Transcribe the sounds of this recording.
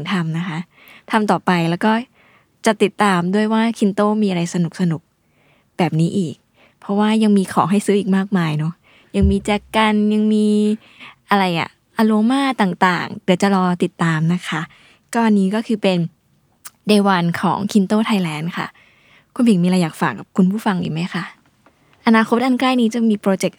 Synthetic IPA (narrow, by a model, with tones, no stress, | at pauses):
ŋt̪ʰa˧mna˦˥kʰa˦˥ | t̪ʰa˧mt̪ɔː˨˩pa˧jlɛː˦˥wkɔː˥˩ | t͡ɕa˨˩t̪i˨˩t̪ːaː˧mdu˥˩əjwaː˥˩kʰi˧nt̪oː˥˩miː˧ʔa˧ɾa˧jsa˧nu˨˩k̚sa˧nu˨˩k̚ | bɛː˨˩p̚niː˦˥ʔiː˨˩k̚ | pʰɔ˦˥waː˥˩ja˧ŋmiː˧kʰɔ̰ː˩˦ŋɦa˥˩jsɯː˦˥ʔiː˨˩k̚maː˥˩k̚maː˧jnɔ˦˥ | ja˧ŋmiː˧t͡ɕɛː˧ka˧nja˧ŋmiː˧ | ʔa˧ɾa˧jʔa̰˨˩ | ʔaː˧loː˧maː˥˩t̪aː˨˩ŋt̪a̰ː˨˩ŋdɯ˨˩˦t͡ɕa˨˩lɔː˧t̪i˨˩t̪ːaː˧mna˦˥kʰa˦˥ʔ | kɔː˥˩ʔnːiː˦˥kɔː˥˩kʰɯː˧pe˧n | deː˧waː˧nkʰɔ̰ː˩˦ŋkʰi˧nt̪oː˥˩t̪ʰa˧jlɛː˧˥nkʰa̰˥˩ | kʰu˧˦npʰi˨˩ŋmiː˧ɾaː˧jːaː˨˩k̚faː˨˩kːa˨˩p̚kʰu˧npʰuː˥˩fa˧ŋʔḭ˨˩ma˦˥jkʰa˦˥˩ | ʔa˧naː˧kʰo˦˥t̪̚ʔa˧nkɾaː˥˩jniː˦˥t͡ɕa˨˩miː˧pɾoː˧t͡ɕe˨˩k̚